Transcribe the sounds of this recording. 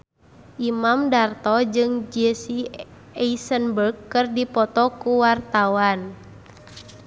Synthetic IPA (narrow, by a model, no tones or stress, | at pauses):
ʔimamdart̪ɔd͡ʒɨŋd͡ʒɛsi | ɛisənbərɡːɨrdipɔt̪ɔkuwart̪awan